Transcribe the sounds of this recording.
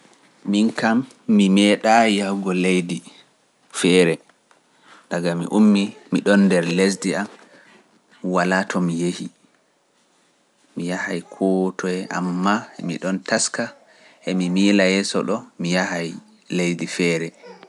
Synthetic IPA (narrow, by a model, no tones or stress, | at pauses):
minkamː | imɛɗajawɡɔlejdi | fɛːɾɛ | ɗaɡamḭʔumːimiɗɔndɛɾles̬diam | walatʰɔmijehi | mijahajkʰɔtʰɔɛʔa̰mːamḭɗɔntaska | ʔɛmimiːlajɛsɔ̰ɗɔmijahaj | lejdifɛːɾɛ